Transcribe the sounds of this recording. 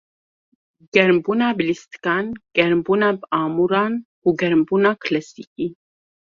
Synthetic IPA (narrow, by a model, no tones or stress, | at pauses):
ɡ̥ɛɾmbunaːblist̪kanɡ̥ɛɾmbuːnabaːmuɾan | uɡɛɾmbunakʰlɛsikʼi